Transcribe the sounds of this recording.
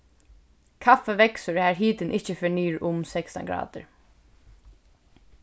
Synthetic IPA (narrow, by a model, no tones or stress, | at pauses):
kʰafɛʋɛksʊɹæːɹɦiːt̪ɪnʔɪht͡ʃəfɪɳiːɹʊmsɛkst̪a̰ŋɡɹɑ̰ːt̪ɪ̰ɹ